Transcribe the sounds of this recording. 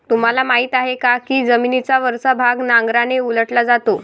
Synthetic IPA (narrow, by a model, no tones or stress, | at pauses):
t̪um̤alamaɦiːt̪aɦekakiːd͡zəminit͡saʋəɾsabʱaɡnãŋɡɾaneuləʈlad͡zat̪o